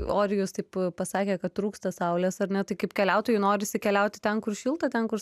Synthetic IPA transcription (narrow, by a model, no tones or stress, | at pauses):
oːɾʲɪjoːst̪ɐɪppɐsɑːkʲeːkɐtt̪ɾuːkst̪ɐsɐʊlʲɛsɐrnʲɛt̪ɐɪkɐɪpkʲɛlʲɛʊt̪oːjʊnoːɾʲɪsʲɪkʲɛlʲɛʊt̪ʲɪ̥t̪ʲɛnkʊrʃʲiːlˠt̪ɐt̪ʲɛnkʊɾ